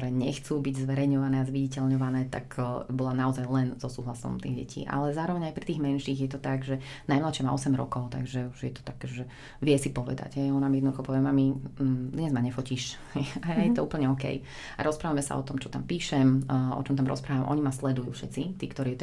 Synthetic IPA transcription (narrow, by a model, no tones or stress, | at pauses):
ɔɾɛːɲɛxt͡suːbiɟzʋɛɾɛjɲɔʋanɛːazʋiɟicɛlɲɔʋanɛːt̪a̰kbɔlanaɔzajlɛnz̥ɔsuːɦlasɔ̰mt̪ḭːɣɟɛ̰cʰḭːʔa̰lɛzaːɾɔʋɛɲajpɾit̪iːɣmɛnʃiːɣjɛt̪ɔt̪aɡʒɛ | najmlaʃɛma̰ɔsɛmɾɔ̰kɔʊt̪aɡʒɛuʒjɛt̪ɔ̥t̪akɛʒɛ | ʋɪɛsipɔʋɛ̰d̪a̰ɟɦɛjɔnaːmjɛd̪nɔd̪uxɔpɔʋɛmamid̪ɲɛzmaɲɛfɔciʃhɛjajajɛt̪ɔuːpl̩ɲɛɔkɛ̰j | a̰ɾɔspɾaːʋamɛsa̰ɔ̰t̪ɔmt͡ʃɔt̪ampiːʃɛmʔɔ̰t͡ʃɔmt̪amɾɔ̰spɾaːʋamʔɔ̰ɲimaslɛd̪ujṵːfʃɛt͡sit̪iːkt̪ɔɾiː